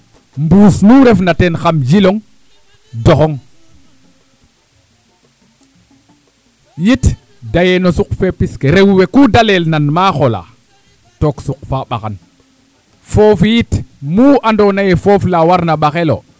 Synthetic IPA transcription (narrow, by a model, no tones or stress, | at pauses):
mbusnuɾɛfnatɛnxamd͡ʒilɔŋ | dɔxɔŋ | jit | dajɛnɔsukfepiskeɾewwekudalelnanmaxɔla̰ | toksuq̚faɓaxan | fofijitmuːʔandɔnajɛfoflawaɾnaɓaxelo̰